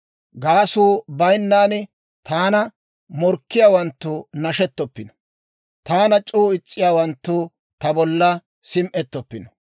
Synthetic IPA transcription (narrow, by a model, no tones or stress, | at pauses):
ɡaːsuːbɐjnːaːn | t̪ʰaːnɐ | mɔɾkːɪjaːwɐnt̪ːʊnɐʃɛt̪ːɔpːɪnɔ̥ | t̪aːnɐt͡ʃʼuːɪt͡sʼːɪjaːwɐnt̪ːʊ | t̪ɐbɔlːɐ | sɪmʔɛt̪ːɔpːɪnɔ